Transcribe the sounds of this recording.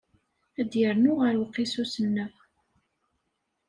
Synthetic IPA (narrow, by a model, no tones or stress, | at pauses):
æd̪jəɾnʊʁəɾwəqːisusənːə